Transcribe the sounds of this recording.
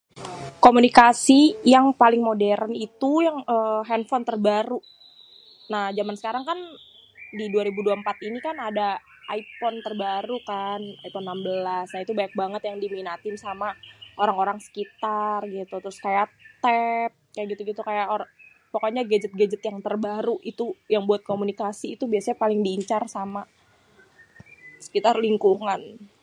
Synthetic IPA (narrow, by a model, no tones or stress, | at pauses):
komunikasijaŋpalɪŋmodɛɾənit̪ujaŋʔəɦɛnfɔnt̪ərbaɾu | nahd͡ʒamansə̥kaɾaŋkan | diduaɾibuduaəmpat̪inikanada | ʔaipɔnt̪ərbaɾukanajpɔnːambəlasnait̪ubajak̚baŋət̪jaŋdiminat̪ɪmsamaʔoɾaŋoɾaŋsə̥kit̪arɡit̪ut̪ɾʊskajat̪ɛp̚kajaʔɡit̪uɡit̪ukajaoɾ | pokoɲaɡed͡ʒət̪̚ɡad͡ʒət̪jaŋt̪ərbaɾuʔit̪ujaŋbuat̪̚komunikasiːt̪ubiasaɲapalɪŋdiːɲt͡ʃarsama | sə̥kit̪arliŋkuŋan